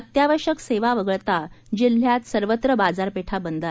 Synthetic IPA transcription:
ət̪jaʋəɕəkseʋaʋəɡəɭt̪ad͡ʑil̤jat̪səɾʋət̪ɾəbad͡zaɾpeʈʰabənd̪a

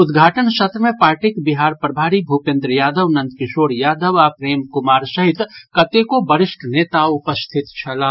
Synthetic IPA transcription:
ʊd̪ɡʱaːʈənsɐt̪ɾəmẽpaːɾʈɪkbɪɦaːɾpɾəbʱaːɾibʱupẽnd̪ɾəjaːd̪əʋnə̃nt̪kɪʃoːɾjaːd̪əʋapɾeːmkʊmaːɾsɐɦɪt̪kɐt̪ekobəɾɪʃʈʰneːt̪aʊpəst̪ʰɪt̪t͡ʃʰɐlãː

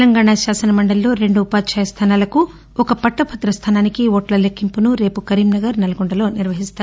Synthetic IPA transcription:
lɐŋɡaːɳaʃaːsɐnɐmɐɳɖɐlːo̞ːɾe̞ɳɖuːpaːd̪t͡ʃaːjɐst̪ʰaːnaːlɐku | ɔkɐpɐʈːɐpʰɐt̪ːɾɐst̪ʰaːnaːnikiʋoːʈlɐlekːimpunuɾe̞ːpukɐɾiːmnɐɡɐɾnɐlɐɡoɳɖɐlo̞ːniɾʋɐɦist̪aːɾ

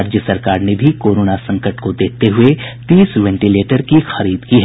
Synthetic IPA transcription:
ɾd͡ʒjəsɐɾkaːɾnebʱikoːɾoːnasɐ̃ŋkəʈkod̪eːt̪eɦʊet̪iːsʋɛ̃ɳʈileːʈəɾkixɐɾiːd̪kiɦɛ

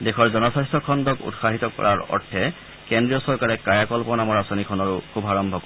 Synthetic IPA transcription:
dekʰɔɹzɔnɔsastɔkʰɔndɔkṵtxaɦitɔkɔ̰ɹaɹɔ̰ɹtʰːɛ | kendɹijɔsɔɹkaɹɛkajakɔlpɔnamɔɹasonikʰɔnɔɹukʰubʱaɹɔmbʱɔkɔ

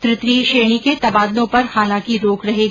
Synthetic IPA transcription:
t̪ɾɪt̪ɾiːʃeːɽ̃iket̪ɐbaːd̪nõpɐɾxaːlãːkiɾoːkɾɐɦeː

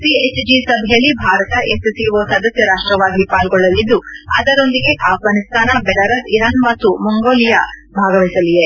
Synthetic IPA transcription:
siet͡ʃd͡ʒisɐbʱɐjɐlːibʱaːɾɐt̪ɐʔesɐsijuʋoːsɐd̪ɐsjɐɾaːʂʈɾɐʋaːɡipaːlɡɔɭːɐlːid̪ːuɐ̰d̪ɐɾo̞nd̪iɡe̞ʔaːfɡaːnist̪ʰaːnɐbɛlɐɾɐsiɾaːnmɐt̪ːumuŋɡoːlijabʱaːɡɐʋisɐlije

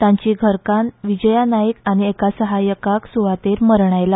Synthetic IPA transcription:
t̪ãɲt͡ɕiːɡʱəɾkãnʋid͡ʑəjanajəkaɽ̃iekasəɦajəkaksuʋat̪eɾməɾɳ̃ajla

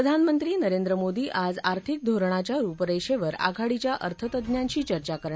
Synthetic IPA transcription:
ɾəd̪ʱanmənt̪ɾiːnəɾend̪ɾəmod̪iːʔad͡zaɾt̪ʰik̚d̪ʱoɾɳ̃at͡ɕjaɾuːpəɾeɕeʋəɾa̰ɡʱaɽit͡ɕjaʔə̰ɾt̪ʰət̪əd̪njaɲt͡ɕiːt͡ɕəɾt͡ɕakəɾɳa

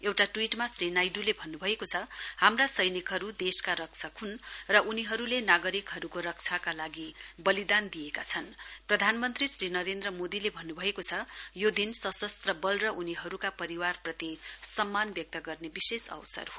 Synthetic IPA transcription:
ewʈaʈwiʈmasrinajɖulebʱʌnːubʱʌekot͡sʰʌhamrasʌjnikɦʌɾud̪eskaɾʌk̚t͡sʰakhunrʌʔuniɦʌɾulenaɡʌɾikɦʌɾukorʌk̚t͡sʰakalaɡibʌlid̪and̪ijekat͡sʰʌnprʌd̪ʱanmʌnt̪risrinʌɾend̪rʌmod̪ilebʱʌnːubʱʌekot͡sʰʌjod̪insʌsʌst̪rʌbʌlrʌʔuniɦʌɾukapʌɾiwarprʌt̪isʌmːanbjʌk̚t̪ʌɡʌrnebisesʌ̰wsʌ̰rɦo

